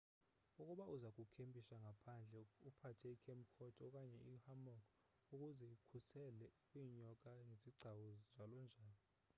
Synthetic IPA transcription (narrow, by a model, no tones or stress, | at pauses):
uk̬ʼuɓauzak̬ʼukʰempʼiʃaŋʱapʰand͡ɮʱɛupʰatʰɛikʰɛmkʰɔtʰʼɔk̬ʼaɲɛihamɔkʰ | uk̬ʼuzɛikʰusɛlɛkʼwiːɲɔk̬ʼaŋeziɡ͡ǀʱawɔznd͡ʒʱalɔnd͡ʒʱaːlɔ